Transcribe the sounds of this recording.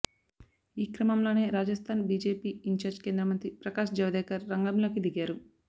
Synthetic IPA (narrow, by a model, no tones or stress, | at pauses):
iːkɾɐmɐmlo̞ːne̞ːɾaːd͡ʒɐst̪ʰaːnbiːd͡ʒe̞ːpiːiɲt͡ʃaːɾd͡ʒkeːnd̪ɾɐmɐnt̪ɾipɾɐkaːʃd͡ʒɐʋɐd̪ɛːkɐɾːɐŋɡɐmlo̞ːkid̪iɡaːɾu